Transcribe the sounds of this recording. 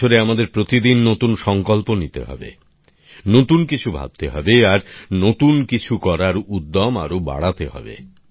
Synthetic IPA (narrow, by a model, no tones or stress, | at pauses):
oɾeamad̪eɾpɾot̪id̪inːot̪unʃɔŋkolponit̪ḛɦɔ̰bḛ | not̪unkit͡ɕʰubʱa̰b̚t̪eɦɔbeaɾnot̪unkit͡ɕʰukɔɾaɾud̪ːɔma̰ɾoba̰ɽat̪ehɔ̰bḛ